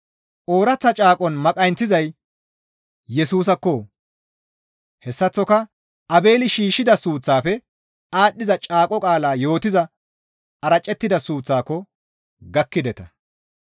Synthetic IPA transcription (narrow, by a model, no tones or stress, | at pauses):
ʔo̞ːɾɐt͡sːɐt͡ʃʼaːkʼɔnmɐkʼɐjnt͡sːɪzɐj | jɛsuːs̬ɐkːɔ | hɛsːɐt͡sːɔkɐ | ɐbe̞ːlɪʃiːʃːɪd̪ɐsuːt͡sːaːfɛ | aːɗːɪzɐt͡ʃʼaːkʼɔkʼaːlaːjo̞ːt̪ɪzɐ | ɐɾɐt͡ʃʼːɛt̪ːɪd̪ɐsuːt͡sːaːkːɔ | ɡɐkːɪd̪ɛt̪ɐ